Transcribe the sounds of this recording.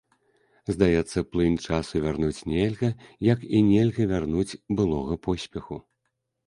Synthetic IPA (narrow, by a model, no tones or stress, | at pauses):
zd̪ajɛt̪sːɐplˠɨnʲt͡ʂasuvʲarnut͡sʲnʲelʲɣɐjɐkinʲelʲɣɐvʲarnut͡sʲbɨlˠɔɣɐpʰɔsʲpʲɛxu